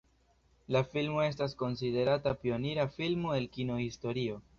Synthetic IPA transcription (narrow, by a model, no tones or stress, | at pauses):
lafilmoe̞s̬tasko̞nside̞ɾatapio̞niɾafilmoelkino̞histo̞ɾio̞